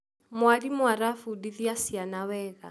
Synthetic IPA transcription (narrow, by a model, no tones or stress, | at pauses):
mʊwadimwaɾafudid̪iasianawɛːɣa̰